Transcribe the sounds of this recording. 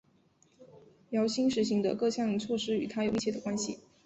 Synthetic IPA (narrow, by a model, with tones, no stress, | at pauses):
jɑ˧˥ʊɕi˥ŋʂɻ̩˧˥ɕi˧˥ŋd̪ə̰˨kɤ˥˧ɕjɑ˥˩ŋt͡sʰwɔ˥˩ʂɻ̩˥y˨˩t̪ʰa˥jo˨˩ʊmi˥˧t͡ɕʰjdə˩kwa˥nɕḭ˨˩